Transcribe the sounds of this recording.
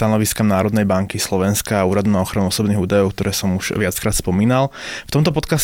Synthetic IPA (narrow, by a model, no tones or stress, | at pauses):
t̪anɔʋiskamnaːɾɔd̪nɛjbaŋkislɔʋɛnskaːuːɾad̪unaɔxɾanuɔsɔbniːɦuːd̪ajɔʊkt̪ɔɾɛːsɔmuʒ̥ʋɪat͡skɾaːt̪spɔmiːnalˠft̪ɔmt̪̬ɔpɔt̪kas